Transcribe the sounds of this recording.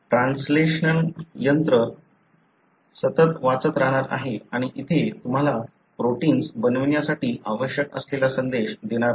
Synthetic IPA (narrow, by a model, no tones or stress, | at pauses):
ʈɾansleʂənjənt̪ɾə | sət̪ət̪ʋat͡sət̪ɾaɽ̃aɾa̰ɦeaɽ̃iʔit̪ʰet̪um̤ala | pɾoʈiːnsbənəʋɳjasaʈiːʔaʋəɕjəkə̰slelasənd̪eɕd̪eɽ̃aɾ